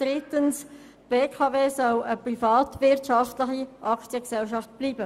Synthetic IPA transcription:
d̥ɾɪt̪əns | b̥eːkʰɑːveːsɔləprifɑːt̪ʋɪɾtʃɑftlɪχiʔɑkt͡sjəksɛlʃɑft̚b̥liːbə

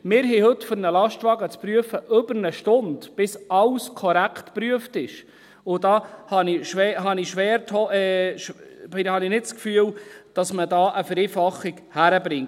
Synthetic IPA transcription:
mɪːɾɦɛhɵtːfʏɾnəlɑʃtʋɑɡət͡spɾyəfəʔɵbəɾnəʃtʊndb̥ɪsɑwskʰɔɾækχtpɾyəftɪʃ | ʊd̥ɑːhɑniʃʋɛːɦɑniʃʋɛːɾt̪ʰɔɛʃbɪhɑnɪnɪtt͡skfyəwd̥ɑsmədɑːʔəfəɾeːfɑχiɡhæɾəbɾɪŋ

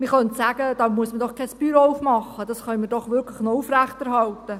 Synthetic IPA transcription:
mɪχœntsæːɡ̥əd̥ɑːmuəsmədɔχkʰɛspyːɾɔʊfmɑχːəd̥ɑsχœnmɪɾdɔχʋʏɾkʰlɪχnouːfɾæχtæɾɦɑltə

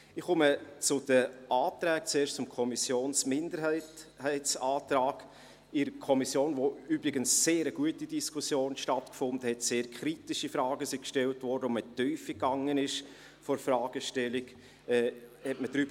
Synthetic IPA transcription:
ɪχʊmət͡sʊd̥əʔaːtɾɛːkt͡seːʃtt͡sʊmkʰɔmisjoːnsmɪndəɾhɛɪthɛɪtsaːtɾɑːɡ̥ | ɪɾəkʰɔmisjoːnʋoybɾɪɡənsːeːɾəɡuətidiskʰusjoːnʃtɑtkfʊndəhɛtseːɾkʰχɾitɪʃifɾɑːɡəsikʃtɛltvɔɾdəɔmətœʏfikːɑŋənɪʃ | fɔɾfrɑːɡ̥əʃtɛlɪɡ | ɛːhɛtməd̥ɾyːbə

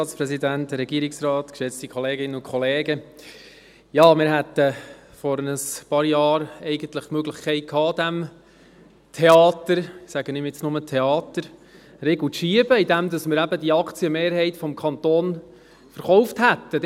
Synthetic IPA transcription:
ɑːtspɾɛsidæntɾɛɡ̥iːɾɪksrɑːtkʃɛt͡st̪ikʰχɔleːɡɪnənʊkʰɔleːɡə | jɑːmɪɾɦɛt̪əfɔɾnəspɑːɾjɑːɾɛɪɡ̥ənt̪ləχmøɡlɪχkʰɛɪt̚kʰɑːd̥̪æm | tʰeɑːt̪əɾsæɡənɪmjɪt͡snʊmətʰeɑːt̪əɾ | ɾeːɡl̩tʃiəbəid̪æmd̪ɑsmɪːɾæbədiɑkʰt͡siəmeːɾɦɛɪtfɔmkʰɑnt̪oːn | fəɾχɔwfthæt̪ːə

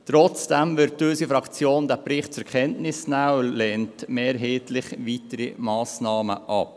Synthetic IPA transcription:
t̪ɾɔt͡sd̥ɛmʋɪɾttːøsifɾɑkt͡sjoːndæpɾɪχtt͡sɛɾkχɛntnɪsnaːəlɛːntmɛːɾɦeːtlɪχʋitəɾimɑːsnɑːmə̰ʔɑp

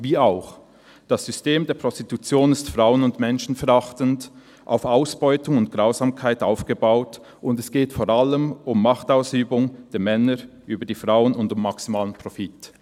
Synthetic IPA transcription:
viːaʊx | d̥asz̥ʏsteːmdeːɐpʁ̥ɔstitut͡sjoːnɪstfʁ̥aʊənʊndmɛnʃn̩fɛɾaχtənd | ʔa̰ʊfaʊsb̥ɔʏtʊŋʊnt̚ɡ̥ʁaʊzaːmkʰaɪtaʊfɡ̥əbaʊt | ʔʊndɛsɡ̥eːtfoːʁaləmʊmːaχtaʊsyːbʊŋd̥eːɐmɛnə | ʔyːbɐdiːfʁaʊənʊndʊmːaksimaːlənpʁ̥ofit

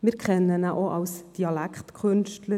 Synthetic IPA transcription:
mɪːɾkʰɛnːənæʔoʔɑwsd̥iɑlækχtkʰɵnʃtlə

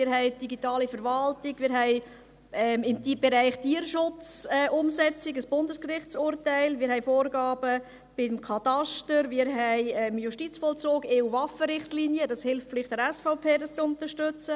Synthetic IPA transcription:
mɪːɾɦɛɪd̥iɡitɑːlifəɾvɑltɪɡmɪːɾɦɛɪ | ɛmɪmtb̥ɛɾæɪχtiːəɾʃʊt͡sɛːʔʊmsɛt͡sɪɡəsb̥ʊndəskrɪχt͡sʊɾtæɪlmɪɾhɛɪfoːɾɡɑːb̥ə | b̥ɪmkʰɑtɑʃtəɾmɪɾɦɛɪɛːmjuʃtit͡sfɔːlt͡soːɡeːuvɑfəɾɪχtliːnjədɑshɪlftflɪχt̚dɛɾɛsfɔʊpʰeːdɑst͡sʊnt̪əɾʃtʏt͡sə

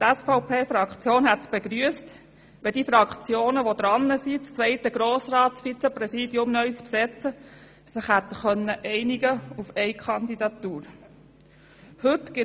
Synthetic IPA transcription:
t̪ɛsfɑʊpʰeːfɾɑkt͡sjoːnhɛt̪sb̥eɡɾyəst | ʋɛdiːfɾɑkt͡sjoːnəʋod̪ɾɑnːəsit͡st͡svɛɪtəɡ̥ɾoːsrɑːtsfit͡sɛprɛsiːdjʊmnœɥt͡spsɛt͡sə | sɪχhæt̪əχœnːəʔɛɪniɡəufɛɪkʰɑnd̪id̪ɑt̪uːɾ | hɵt̪ɡ̥ɪ

